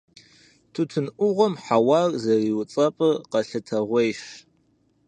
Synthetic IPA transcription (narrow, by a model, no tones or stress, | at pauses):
tʰutʰɨnʔʷʊʁʷɔmħawarzɐriːwt͡sʼɐpʼɨqɐɬɐtʰɐʁʷejʃ